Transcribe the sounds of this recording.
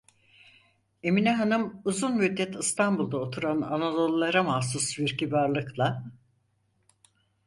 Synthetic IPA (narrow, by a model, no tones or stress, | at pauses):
e̞minɛɦanɯmuzunmyd̪ːɛt̪ʰɯst̪ʰanbulˠd̪aot̪ʰuɾana̰nad̪olˠːaɾamas̬usviɾcibaɾlˠɯklˠa